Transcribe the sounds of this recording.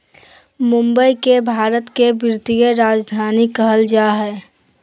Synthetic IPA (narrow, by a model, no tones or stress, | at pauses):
mʊ̃mbəikebʱaːɾət̪kebɪɾt̪ijəɾaːd͡ʒd̪ʱaːnikəɦəld͡ʒaːɦɛː